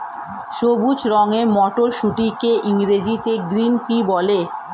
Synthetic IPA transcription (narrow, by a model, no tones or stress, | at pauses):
ʃobut͡ɕɾɔŋemɔʈoɾʃuʈikeʔiŋɾed͡ʑit̪eɡɾinpibɔle